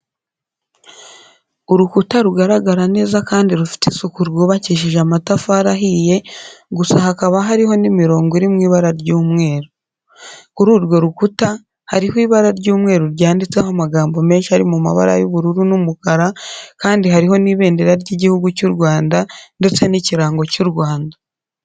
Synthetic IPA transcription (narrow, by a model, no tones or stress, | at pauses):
uɾukutaɾuɡaɾaɡaɾane̞ːzakaːndiɾufi̥tesukuɾɡoːβaciʃ̬iʒamatafaɾaɦije̞ɡusahakaβaɦaɾiɦo̞nimiɾo̞ːŋɡiɾimŋiːβaɾaɾɟuːmŋe̞ːɾo | kuɾuːɾɡo̞ɾukuta | haɾihwiːβaɾaɾɟuːmŋe̞ːɾuɾɟaːndit͡sehomaɡaːmbo̞me̞ːnʃihaɾimuma̰βa̰ɾa̰juβuɾuɾunumukaɾakaːndiɦaɾiɦo̞niːβe̞ːndeɾaɾɟiːɟihuɡucuɾɡwaːndande̞t͡se̞niciɾaːŋɡo̞cuɾwaːnda